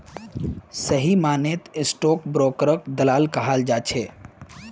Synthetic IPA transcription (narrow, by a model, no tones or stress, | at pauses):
səɦimaːnet̪ɪsʈoːkbɾoːkɾəkd̪əlaːlkəɦald͡ʒaːt͡ʃʰe